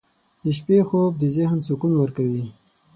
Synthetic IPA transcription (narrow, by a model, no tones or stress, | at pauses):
d̪əʃpexob̚d̪əzɪhnsukunwəɾkawi